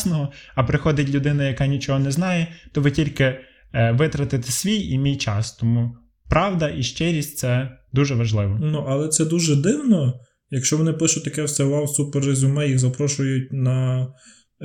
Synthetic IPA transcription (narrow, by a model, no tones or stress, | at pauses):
snɔɦɔɐpɾɪxɔd̪ɪtʲlʲʊd̪ɪnɐjɐkɑnʲit͡ʃɔɦɔnɛznɑjɛt̪ɔʋɪtʲilʲkɪ | ʋɪt̪ɾɐt̪ɪt̪ɪsʲʋʲijimʲijt͡ʃɑst̪ɔmu | pɾɑʋd̪ɐʔiʃt͡ʃɪɾʲisʲtʲt̪sɛd̪uʒɛʋɐʒlˠɪʋɔnuʔɐlˠɛt̪sɛd̪uʒɛd̪ɪwnɔ | jɐkʃt͡ʃɔʋɔnɪplˠɪʃʊt̚ʲt̪ɐkɛwsɛlɑwsupɛrːezʲʊmɛjiɣzɐpɾɔʃʊjʊt̚ʲnɐ